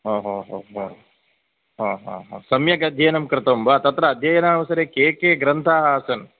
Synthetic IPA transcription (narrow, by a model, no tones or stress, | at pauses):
ɦoːɦoːɦoːɦoː | ɦoːɦõ̰ːɦo̰sɐmjɐɡɐd̪ʱjɐːnɐmkɾɪt̪ɐmbɐt̪ɐt̪ɾɐːd̪ʱjɐjɐnaːʋɐsɐɾeːkeːkeːɡɾɐnt̪ʰaːɦɐːɐsɐn